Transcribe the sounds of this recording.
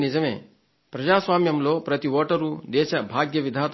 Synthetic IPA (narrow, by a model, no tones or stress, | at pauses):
nid͡ʒɐmḛː | pɾɐd͡ʒaːsʋaːmjɐmloːpɾɐt̪iʋɐʈɐɾuːd̪eːʃɐbʱaːɡjɐʋid̪ʱaːt̪